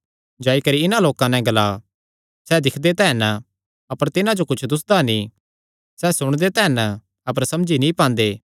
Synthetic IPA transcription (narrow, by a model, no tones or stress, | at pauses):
d͡ʒaːikɐɾiɪnãloːkãnɛ̃ɡɐlaː | sɛd̪ɪkʰd̪et̪ɛːn | ɐpəɾt̪ɪnãd͡ʒokʊt͡ʃʰd̪ʊs̬d̪anĩ | sɛːsʊɽ̃d̪et̪ɛːnə | ɐp̬əɾsɐmd͡ʒinĩpãːnd̪eː